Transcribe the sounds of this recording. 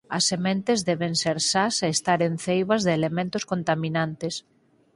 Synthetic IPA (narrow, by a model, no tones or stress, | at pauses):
ɐsːemẽnt̪ezðɛβeŋseɾsaseest̪aɾenθejβɐzðeːlemẽnt̪ʊskont̪aminant̪es